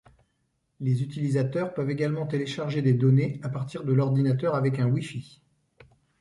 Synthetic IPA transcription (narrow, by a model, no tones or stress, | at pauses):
lezyt̪ilizat̪œʁpœveɡalmɑ̃t̪eleʃaʁʒed̪ed̪ɔneapaʁt̪iʁd̪əlɔʁd̪inat̪œʁavɛkɛ̃wifi